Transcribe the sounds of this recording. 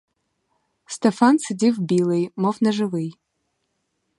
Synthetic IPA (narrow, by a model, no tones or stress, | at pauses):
stʰefansɨdivbilejmofnɐʐɨvɨj